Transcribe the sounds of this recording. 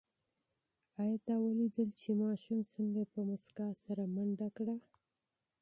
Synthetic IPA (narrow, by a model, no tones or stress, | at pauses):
ɑjɑt̪ɑwəlid̪əlt͡ʃemɑʃumsəŋɡapəmʊskasaɾamaɳɖakɽa